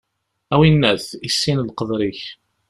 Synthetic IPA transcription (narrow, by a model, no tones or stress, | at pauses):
æwinːæθisːinlqəðˤɾiç